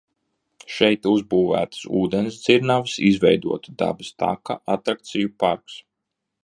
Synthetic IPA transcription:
ʃɛjt̪uzbuːvæ̰ːt̪sṵːd̪ens̬d̪ziɾnavsizvɛjd̪uɔt̪ud̪a̰bɨst̪a̰kaʔat̪ɾak̚t̪sijupaɾks

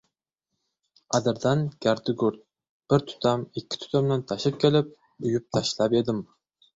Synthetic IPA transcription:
ɑd̪ɪɾd̪ɑnɡ̥ʲæɾd̪ɪɡʊɾt̪̚ | b̥ɪɾt̪ʰʊ̥t̪ʰɑmɪkʲʰːɪ̥t̪ʰʊ̥t̪ʰɑmnant̪ʰɑʃɪp̚kʲʰelɪp̚ | ʊjyp̚t̪ʰɑʃlˠɑped̪ɪm

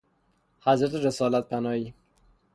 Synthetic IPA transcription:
hæzɾæt̪ʰeɾesɒːlæt̪̚pʰænɒːiː

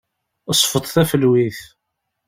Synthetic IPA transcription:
əsˤfət̪ˤθæfəlwiθ

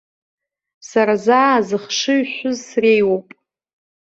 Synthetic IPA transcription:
saɾazaːzɨχʂɨɥħʷʊzsrejwowpʼ

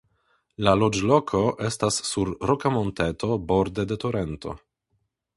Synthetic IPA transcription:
lalo̞d͡ʒlo̞kʰo̞ʔe̞stasːuɾɾokamo̞nte̞tʰo̞bo̞ɾd̪e̞de̞toɾe̞nto̰

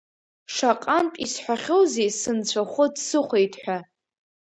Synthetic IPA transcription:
ʂaqʼantʼisħʷaχʲowzejsɨnt͡ɕʷʰaχʷʊdsɨχʷejtʰʼħʷᶣa

